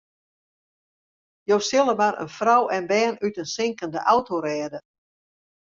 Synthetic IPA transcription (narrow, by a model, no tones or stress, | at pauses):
jowsɪlˠəmaɾə̰nfrawɛnbɛːnytənsɪŋkəndə̰ʔawtoɾɛːdə